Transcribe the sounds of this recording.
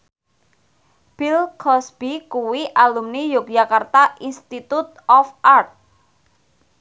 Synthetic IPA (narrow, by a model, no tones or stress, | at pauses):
b̥ilkʰɔsb̥ikuwiʔalumnijʊk̚ʒakart̪aʔinst̪it̪ut̪̚ɔfʔart̪̚